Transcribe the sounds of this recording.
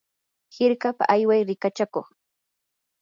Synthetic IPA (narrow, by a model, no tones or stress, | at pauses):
hɪɾkapa̰ʔajwajɾɪkat͡ʃakoχ